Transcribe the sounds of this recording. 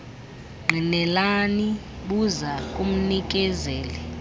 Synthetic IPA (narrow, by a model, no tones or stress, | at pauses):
ŋ͡ǃʱinɛlani | ɓuzakʼum̩nik̬ʼɛzɛːlɛ